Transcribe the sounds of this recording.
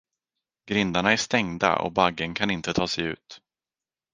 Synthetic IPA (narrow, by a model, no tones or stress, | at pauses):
ɡɾɪnd̪aɳaæʂt̪ɛŋd̪a̰ʔɔ̰baɡːənkʰanɪnt̪ət̪ʰɑːsɛjʉ̟̰ːt̪